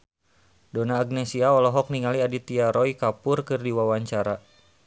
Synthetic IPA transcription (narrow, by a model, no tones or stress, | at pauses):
donaːɡ̚nɛsiaɔlɔɦɔk̚niŋaliadit̪iaɾɔikapʊrkɨrdiwawaɲt͡ʃaɾa